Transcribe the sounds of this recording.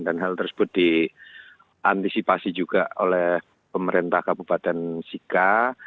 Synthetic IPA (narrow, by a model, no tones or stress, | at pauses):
danɦalt̪ərsə̥b̥ʊt̪̚d̥i | ʔant̪isipasid͡ʒuɡ̥aolɛh | pəməɾint̪ahkabupat̪ɛnsika